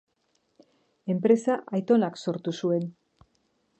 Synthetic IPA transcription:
e̞mpɾe̞saʔajt̪o̞nakso̞ɾt̪usue̞n

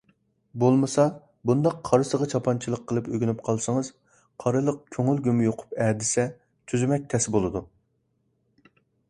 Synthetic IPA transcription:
bolˠmɨsɑ | bund̪ɑqʰːɑɾɨsəʁɑt͡ʃʰɑpʰɑnt͡ʃʰilˠəqʰːəlˠɨpøɡʲynyp̚qʰɑlˠsɨŋəz̥ | qʰɑɾɨlˠəq̚kʲʰøŋylɡʲymjoqʰʊ̥pɛːd̪ɪsɛ | t̪ʰyzymɛk̚ʲt̪ʰɛsbolˠɨd̪u

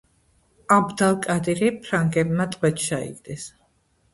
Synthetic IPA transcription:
abd̪alˠkʼad̪iɾipʰɾaŋɡɛbmat̪ʼqʼwɛt̪ʃaḭɡd̪ɛs

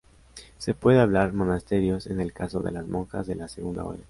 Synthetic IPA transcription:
se̞pwe̞ðeaβlaɾmo̞nast̪e̞ɾjo̞se̞ne̞lkaso̞ðe̞lazmoŋka̰zðe̞laseɣund̪a̰o̰ɾa

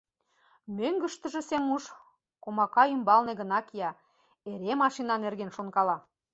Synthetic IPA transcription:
møŋɡə̆ʃt̪ə̆ʒĕsemuʃ | komɑkɑymbɑlneɣə̆nɑkjɑ | eɾemɑʃinɑnerɣenʃonkɑlɑ

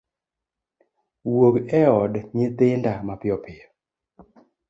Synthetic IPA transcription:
woɡɛɔdɲɪt̪ɪndamapɪɔpɪjɔ

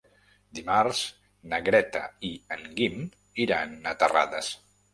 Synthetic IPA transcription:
d̪imaɾz̥ | nəɣɾɛt̪a̰iəŋɡim | iɾanːat̪əra̰ðəs

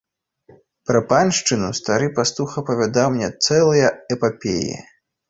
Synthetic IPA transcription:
pɾɐpanʲʂt͡ʂɨnust̪aɾɨpast̪uxɐpɐvʲad̪awmnʲɛt̪sɛlˠɐjɐɛpapʲḛjḭ

